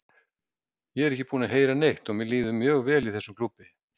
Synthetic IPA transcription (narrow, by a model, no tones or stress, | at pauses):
jɛɛɾɛhçcɪpuːnaɦeːjɾanejht̪ɔɣmɪliːðʏmːjœːɣvɛːliθɛsːʏmkʰlupːɪ